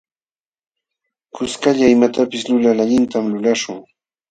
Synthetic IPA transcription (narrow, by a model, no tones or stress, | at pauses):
kʊskaʎaɪmat̪apɪslʊlalaʎɪnt̪amlʊlaʃʊŋ